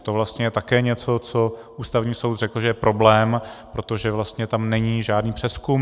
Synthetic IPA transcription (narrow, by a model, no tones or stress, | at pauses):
t̪ovlast̪ɲɛjɛt̪akɛːɲɛt͡so̞t͡so̞ʔuːst̪avɲiːso̞wd̪r̝ɛkl̩ʒɛjɛpɾʔo̞blɛːmpɾot̪o̞ʒɛvlast̪ɲɛt̪amnɛɲiːʒaːdniːpr̥ɛskum